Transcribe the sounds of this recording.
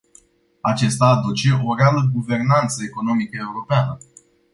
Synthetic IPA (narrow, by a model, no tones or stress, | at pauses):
at͡ʃe̞st̪aːd̪ut͡ʃe̞ʔo̞ɾealəɡuve̞rnant̪səe̞ko̞no̞mikəe̞uɾo̞peanə